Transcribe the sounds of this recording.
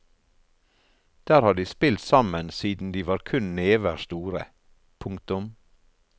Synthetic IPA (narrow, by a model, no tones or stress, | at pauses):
d̪̥æːɾhɑːɖ̪iːspɪlt̪sɑmənsiːd̪n̩d̪iːʋɑːɾkʰʉnneːʋəɾst̪uːɾə̰ | pʰʊŋkt̪ʊm